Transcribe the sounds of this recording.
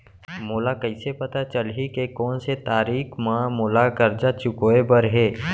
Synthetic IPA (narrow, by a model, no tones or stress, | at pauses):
moːlakɐɪsepɐt̪at͡ʃəlɦikekɔːnset̪aːɾiːkʰmãːmoːlakɐɾd͡ʒat͡ʃʊkoːebəɾɦeː